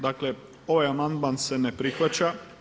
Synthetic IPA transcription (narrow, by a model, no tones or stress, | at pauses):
d̪akle̞ | o̞ʋajamand̪manse̞ne̞pɾixʋat͡ɕa